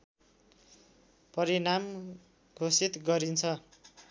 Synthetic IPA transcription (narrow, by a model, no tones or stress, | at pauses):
pʌɾinam | ɡʱosit̪ɡʌɾint͡sʰʌ